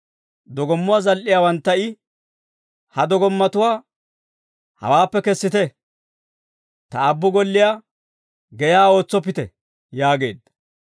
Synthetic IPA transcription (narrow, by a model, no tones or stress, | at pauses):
d̪ɔɡɔmːʊwaːzɐlʔɪjaːwɐnt̪ːɐɪ | hɐd̪ɔɡɔmːɐt̪ʊwaː | hɐ̰waːpːɛkɛsːɪt̪ɛ | t̪ɐːbːʊɡɔlːɪjaː | ɡɛjaːo̞ːt͡sːɔp̬ːɪt̪ɛ̰ | jaːɡe̞̰ːd̪ːɐ